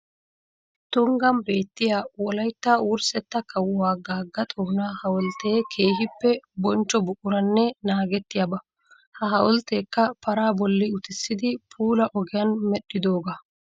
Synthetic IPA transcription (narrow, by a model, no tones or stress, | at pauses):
t̪ʊŋɡɐmbe̞ːt̪ːɪjaːwɔlɐjt̪ːawʊɾsɛt̪ːɐkːɐwwaːɡaːɡːɐt̪ʼoːnaːhɐwɔlt̪eːkʰe̞ːɦɪpːɛbɔnt͡ʃːɔbʊʔʊɾɐnːɛnaːɡɛt̪ːɪjabɐ | hɐɦɐwɔlt̪e̞ːkːɐpɐɾaːbɔlːɪʊt̪ɪsːɪd̪ɪpʰuːlɐʔɔɡɪjɐnmɛɗːɪd̪oːɡa